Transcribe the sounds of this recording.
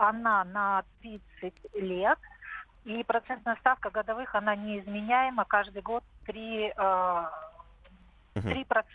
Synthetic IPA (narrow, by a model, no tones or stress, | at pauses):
ɐnanɐt̪ɾʲit̪sɨtʲlʲet̪ | ipɾɐt̪sɛnt̪nɐst̪afkəɡəd̪ɐvɨxɐnanʲɪɪzmʲɪnʲæjɪməkaʐd̪ɨjɡo̞t̪ːɾʲi | t̪ɾʲipɾɐt̪